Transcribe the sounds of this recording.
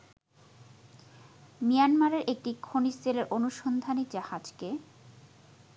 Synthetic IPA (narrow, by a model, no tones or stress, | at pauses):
mijanmaɾeɾʔek̚ʈikʰoniseleɾʔonuʃond̪ʱanid͡ʑahad͡ʑke